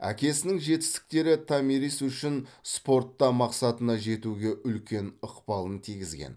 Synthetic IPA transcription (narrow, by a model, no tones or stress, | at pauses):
æ̰kʲe̞sɪnɪŋʒe̞t̪ɪ̥st̪ɪ̥k̚t̪e̞ɾɪt̪ʰamiɾisʏʃɪnspo̞rt̪ːɑmɑqsɑt̪ənɑʒe̞t̪uɡʲe̞ʔʏlkʲe̞nʊqpɑlˠənt̪ʰijɡʲɪzɡʲḛn